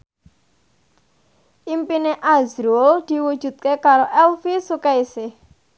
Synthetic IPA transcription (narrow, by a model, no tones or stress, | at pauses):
ʔimpineʔazɾold̪̥i̤wud̥ʒ̥ṳt̪̚kekaɾoʔɛlfisukaisɪh